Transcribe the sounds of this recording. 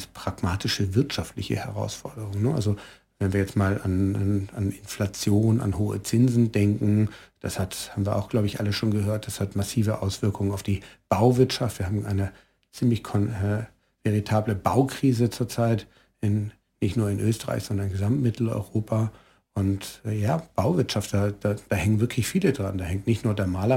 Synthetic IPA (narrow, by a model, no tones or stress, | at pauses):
spʁ̥aɡmaːtʰɪʃəvɪɐtʃaftlɪçə̰hɛʁa̰ʊsfɔɐdəʁʊŋnəʔa̰lzo | vɛnviːɐjɛt͡stmaːla̰nananɪnflat͡sjoːnna̰nɦoːə̰t͡sɪnzn̩dɛŋkŋ̩d̥ashathaːbm̩viːɐʔa̰ʊxɡ̥laʊbəɪçʔa̰ləsʃoːnɡəɦøːɐt̚d̥ashatmasiːvəʔa̰ʊsv̥ɪɐkʊŋənaʊfd̥iːb̥aʊvɪɐtʃaftv̥iːɐhaːbm̩ʔaɪnə | t͡siːmlɪçkʰɔnː | veʁitʰaːbləbaʊkʁ̥iːzət͡suːɐt͡saɪt | ʔɪnː | ɪçtnuːɐɪnʔøːstəʁa̰ɪçz̥ɔndɐnɪnɡəzamtmɪtʰl̩ɔ̰ʏʁoːpʰa | ʔʊntjaːb̥aʊvɪɐtʃaft̚d̥aːd̥aːd̥aːhɛŋənvɪɐkʰlɪçfiːlədʁandaːhɛŋk̚tnɪçtnuːɐdeːɐmaːlɐ